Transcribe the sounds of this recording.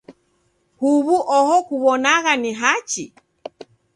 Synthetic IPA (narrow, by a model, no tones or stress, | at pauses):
huβuʔɔhɔkuβɔnaɣaniɦat͡ʃi